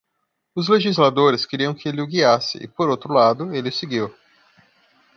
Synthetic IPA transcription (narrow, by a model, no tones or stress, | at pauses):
ʊzleʒizlad̪oɾɪskeɾiɐ̃w̃kɪelɪʊɡiasɪ̰ʔɪ̰poɾowt̪ɾʊlad̪ʊelɪʊseɡiw